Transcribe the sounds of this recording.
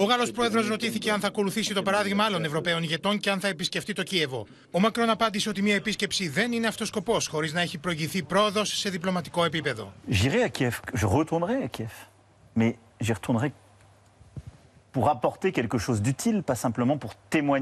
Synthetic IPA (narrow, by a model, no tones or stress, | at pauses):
oɣɐlo̞spɾo̞e̞ðɾo̞zɾo̞t̪iθice̞ɐnθɐko̞luθisit̪o̞pɐɾɐðiɣmɐɐlo̞nevɾo̞pe̞o̞niʝe̞t̪o̞nce̞ɐnθɐe̞pisce̞ft̪it̪o̞cie̞vo̞̰ | omɐkɾo̞nɐpɐnd̪isio̞t̪̬imiɐepisce̞psiðe̞nine̞ɐft̪o̞sko̞po̞sxo̞ɾiznɐeçipɾo̞iʝiθipɾo̞ðosːe̞ðiplo̞mɐt̪i̥ko̞e̞p̬ipe̞ðo̞̰ʒiʁɛakʲjɛfkʒəʁət̪uʁnʁɛakʲjɛf | mɛ | ʒiʁt̪ʰuʁnʁɛ | puʁapɔʁt̪ekʲɛlkəʃozd̪yt̪ʰilpasɛ̃pləmɑ̃puʁt̪emwaɲ